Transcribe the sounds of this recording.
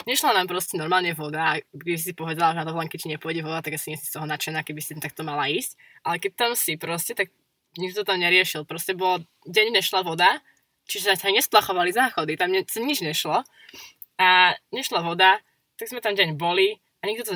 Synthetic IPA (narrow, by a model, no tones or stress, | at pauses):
ɲɛʃlanampɾɔscɛnɔɾmaːlɲɛʋɔd̪aːkɛbis̬isipɔʋɛd̪alaʒɛnat̪ɔlɛŋkɛt͡ʃiɲɛpɔɔɟɛʋɔd̪at̪aɡasiɲɛsi̥st̪ɔɦɔnat͡ʃɛnakɛbisit̪t̪ak̚t̪ɔmalaiːsc | ʔalɛkɛc̚t̪amsipɾɔscɛt̪aɡ | ɲiɡd̪t̪ɔt̪amɲɛɾɪɛʃilˠpɾɔscɛbɔl | ɟɛɲɲɛʃlaʋɔd̪a | t͡ʃiʒɛzasaɲɛsplaxɔʋaliznaːxɔd̪it̪amɲɛsaɲid͡ʒɲɛʃlɔ | aɲɛʃlaʋɔd̪a | t̪aɡzmɛt̪anɟɛɲbɔli | ʔaɲiɡd̪it̪a